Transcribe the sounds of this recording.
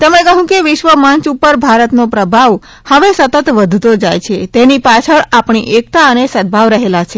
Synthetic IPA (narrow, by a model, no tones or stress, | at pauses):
t̪emẽkəɦũkeʋɪʃʋəmãnt͡ʃupəɾbʱaɾət̪nopɾəbʱaʋ | həʋesət̪ət̪ʋəd̪ʱt̪od͡ʒajt͡ʃʰet̪enipat͡ʃʰəɭapɳ̃iʔek̚t̪aənesəd̪̚bʱaʋɾəɦelat͡ʃʰe